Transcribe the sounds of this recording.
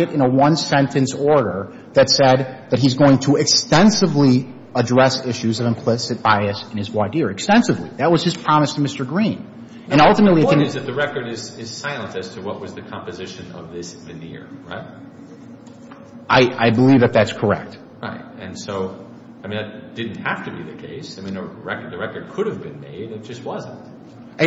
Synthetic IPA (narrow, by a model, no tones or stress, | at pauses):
ɨɾɨ̃ñəwʌ̃nsɛ̃ntʰɨ̃nsɔɹɾə˞ | ðɨtsɛd̪̚ðɨt̚ɦizɡoʊɪ̃ŋtʰəɨkstɛ̃nsɨvli | ədɹɛsɪʃʉzʌvɨ̃mpʰl̥ɪsɨt̚b̥aɪɨsɨ̃nɨzwɑdɪɹɨkstɛ̃nsɨvliðɨt̚wʌz̥ɨz̥pʰɹ̥ɑmɨstʰɨmɪstə˞ɡɹĩn | ɨ̃ñʌlˠtɨmətˡliɨɨzɨt̪̚ðɨɹɛkə˞ɾɪz̥ɪz̥saɪlˠə̃ntɨz̥tʰɨwʌʔ̚wʌzðɨkʰɑ̃mpɨzɪʃɨ̃nʌ̰vðɪsvɨnɪ̰ɹɹa̰ɪt̚ | ʔaɪʔa̰ɪbəlivðɨt̪̚ðætskʰə˞ɛ̰k̚t | ɹaɪt̚ɨ̃nsoʊ | aɪmĩnðɨt̚d̥ɪdⁿn̩t̚hæftɨbiðɨkʰeɪsaɪmĩnɨɹɛkə˞d̪̚ðɨɹɛkə˞d̚kʰʊɾɨvbɨ̃nmḛɪdɨt̚d̥ʒ̥ʌst̚wʌzɨ̃n̩t̚